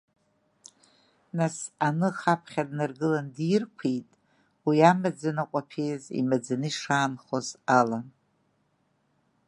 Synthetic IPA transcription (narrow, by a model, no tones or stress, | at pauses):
nasanɨχapʰχʲadnarɡɨlandirkʷʰejtʼ | wiamad͡zanaqʷʼapʰejzḭmad͡zaniʂaːnχozalan